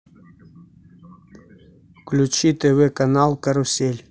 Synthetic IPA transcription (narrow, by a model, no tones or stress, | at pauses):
klʲut͡ɕit̪evekanalˠkaɾusʲelʲ